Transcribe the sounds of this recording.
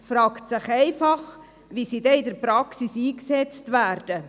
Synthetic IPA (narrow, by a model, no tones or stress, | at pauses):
fɾɑːktsɪχɛɪfɑχ | ʋisidɛɪdəɾpɾɑksisiːksɛt͡stʋæːɾd̥ə